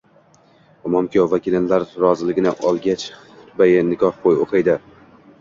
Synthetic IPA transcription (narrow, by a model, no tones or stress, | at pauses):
ɒmɒmkʰʲɒvakʲilɪnlaɾɾɒzɪlɪɡʲɪnɪʔɒlˠɡʲat͡ʃ | ʊt̪ʰʊbajɪnɪkʰɒhbʰojoqʰɨjd̪ɪ